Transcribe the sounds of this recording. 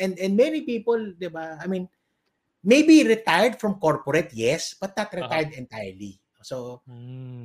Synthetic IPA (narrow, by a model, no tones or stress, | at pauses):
ʔɛ̃nd̪ɛ̃nd̪mɛnipiːpold̪ɪbaajmĩn | mejbiɾɪt̪ajəɹd̪fɹɔ̃mkoɹpɔɾɛt̪̚jɛsb̥ɐt̪̚ːat̪ɾɛt̪ajd̪ɛ̃nt̪ajəɹli | oso